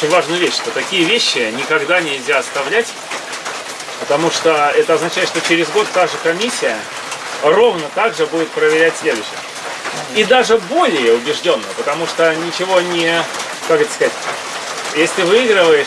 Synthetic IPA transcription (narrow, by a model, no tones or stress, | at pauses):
ot͡ɕɪnʲvaʐnʊjvʲeɕʂt̪ot̪ɐkʲijəvʲeɕːɪnʲɪkɐɡd̪anʲɪlʲzʲaɐst̪ɐvlʲætʲ | pət̪ɐmuʂt̪oɛt̪əɐznɐt͡ɕæɪt̪ʂt̪ot͡ɕɪɾʲɪzɡo̞t̪ːaʐɨkɐmʲisʲːɪjə | ro̞vnət̪aɡʐɨbudʲɪt̪̚pɾəvʲɪɾʲætʲsʲlʲe̞d̪ʊɕːɪ̰j | id̪aʐɨbo̞lʲɪjəʊbʲɪʐdʲonːəpət̪ɐmuʂt̪onʲɪt͡ɕɪvo̞nʲɪ | kakɛt̪ə̥skɐzatʲ | jesʲlʲɪvɨiɡɾəvəjɪ